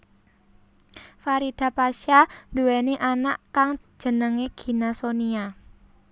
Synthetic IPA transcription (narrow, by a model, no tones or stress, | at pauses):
faɾid̪̥a̤paʃand̪uwɛneʔanaʔkaŋd̥ʒ̥ə̤nəŋeɡ̥i̤nasonia